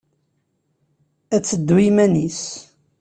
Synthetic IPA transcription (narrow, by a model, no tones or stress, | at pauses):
æt͡sːəd̪ːwimænis